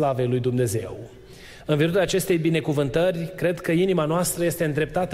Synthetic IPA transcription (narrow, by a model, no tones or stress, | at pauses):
lave̞jlujd̪umne̞ze̞w | ɨnviɾuɾaːt͡ʃe̞st̪e̞jbine̞kuvɨnt̪ərʲkɾe̞d̪kəinimanoast̪ɾəje̞st̪e̞ɨnd̪ɾe̞p̚t̪at̪ə